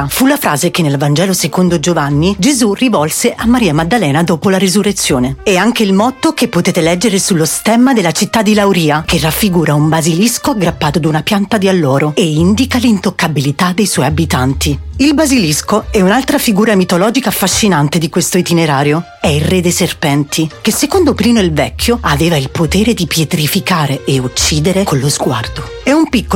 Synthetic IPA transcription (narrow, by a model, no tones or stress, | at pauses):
fulafɾaːzekenːelvand͡ʒɛːlosekond̪od͡ʒovanːid͡ʒezurivɔlseʔamːaɾiːamad̪ːalɛːnad̪oːpolaɾezurːet̪sːjoːneɛaŋk̟eilmɔt̪ːokepːot̪eːt̪elɛd͡ʒːeɾesulːost̪ɛmːad̪elːat͡ʃit̪ːad̪ːilawɾiːakʰerːafːiɡuːɾaumbaziliskoaɡɾapːaːt̪od̪aunapjant̪ad̪ialːɔːɾoeind̪ikalint̪okːabilit̪ad̪ːejswɔjabit̪ant̪iilbaziliskoɛunalt̪ɾafiɡuːɾamit̪olɔːd͡ʒikaːfːaʃːinant̪ed̪ikwest̪oit̪ineɾaːɾjo | ɛilred̪eserpɛnt̪ʰik̟esːekond̪opɾiːnoilvɛkʰːjoaveːvailpot̪eːɾed̪ipjet̪ɾifikaːɾeːut͡ʃːiːd̪eɾekʰonlːozɡwa̰rd̪o | ɛumpikːo